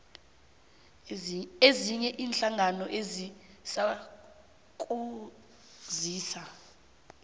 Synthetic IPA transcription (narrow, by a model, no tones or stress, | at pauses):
eziɲɛʔiːnɬaŋanɔʔezi | sa | k̬ʼu | ziːsa